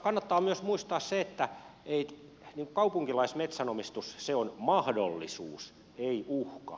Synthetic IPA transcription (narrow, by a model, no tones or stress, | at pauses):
kɑnːɑt̪ːɑːmyøsmuist̪ɑːsseet̪ːæei | niːŋku̥kɑupuŋkilɑismet̪sænomist̪usseonmɑhdolːḭsṵːs | eiʔuhkɑ̰